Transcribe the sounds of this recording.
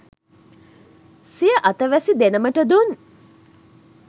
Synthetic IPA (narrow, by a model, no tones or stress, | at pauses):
sijəʔat̪əʋæsid̪enəməʈəd̪un